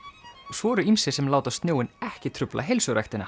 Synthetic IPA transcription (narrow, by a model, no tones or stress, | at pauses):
svɔːɾʏimsɪsɛmlaːwt̪ast̪njoːwɪnɛhcɪt̪ʰɾʏplʔa̰ɦejlsʏɾa̰jxt̪ɪna̰